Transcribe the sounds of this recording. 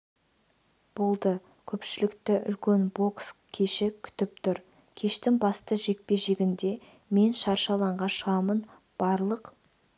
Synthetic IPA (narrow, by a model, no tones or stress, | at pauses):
b̥o̞lˠd̪ə | kʲʰɵpʃɪlɪkt̪ɪʔʏ̰lkʲe̞nbo̞kskʲʰe̞ʃɪkʲʰʏ̥t̪ɪp̚t̪ʰʊɾ | kʲʰe̞ʃt̪ɪŋbɑst̪əʒe̞k̚pe̞ʒe̞ɡʲɪnd̪e̞ | me̞nʃɑɾʃɑlˠɑɴʁɑʃəʁɑmən | b̥ɑɾlˠəq